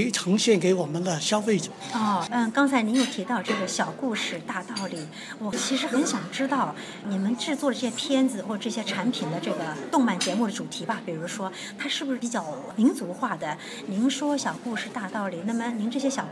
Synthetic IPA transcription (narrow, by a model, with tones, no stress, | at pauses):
ʈ͡ʂʰɤ˧˥ŋɕjɛ˥˩nke˧˥ɪwɔ˨˩mə˦nd̪ə˧ɕjɑ˥ʊfe˥˩ɪʈ͡ʂə˨˩ɔ˥˩˥kɑ˥ŋt͡sʰa˧˥ɪni˧˥jo˨˩ʊt̪ʰi˧˥t̪ɑ˥˧ʊʈ͡ʂɤ˥˩ɡə˩ɕjɑ˨˩ʊku˥˧ʂɻ̩˥˧t̪a˥˧t̪ɑ˥˩ʊli˨˩ | wɔ˨˩t͡ɕʰi˧˥ʂɻ̩˧˥xə˧˥nɕjɑ˨˩ŋʈ͡ʂɻ̩˥t̪ɑ˥˩ʊ | ni˨˩mə˦nʈ͡ʂɻ̩˥˧t͡swɔ˥˩də˩ʈ͡ʂɕjɛ˥p̪ʰjɛ˥nd͡zɹ̩˨˧xwɔ˥˩ə˩ʈ͡ʂɤ˥˩ɕjɛ˥ʈ͡ʂʰa˧˥npʰi˨˩nd̪ə˦ʈ͡ʂɤ˥˩ɡə˩t̪ʊ˥˧ŋma˥˩nt͡ɕjɛ˧˥mu˥˩d̪ə˩ʈ͡ʂu˨˩t̪ʰi˧˥bɐ˧pi˨˩ɻu˧˥ʂwɔ˥ | t̪ʰa˥ʂɻ̩˥˩bu˩ʂɻ̩˥˩pi˧˥t͡ɕjɑ˥˩ʊ | mi˧˥nt͡su˧˥xwa˥˩d̪ə˩ | ni˧˥nʂwɔ˥ɕjɑ˨˩ʊku˥˧ʂɻ̩˥˧t̪a˥˧t̪ɑ˥˩ʊli˨˩na˥˩mə˩ni˧˥nʈ͡ʂɤ˥˩ɕjɛ˥ɕjɑ˨˩